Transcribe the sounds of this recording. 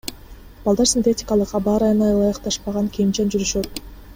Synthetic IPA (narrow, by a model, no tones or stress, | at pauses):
b̥ɑlˠd̪ɑɾsʲinʲt̪etʲɪ̥kalˠɯqɑbɑːɾɑjɯnɑjɯlˠɑjɑqt̪ɑʃpɑʁɑŋkʲʰimt͡ʃend͡ʒyɾyʃøt̪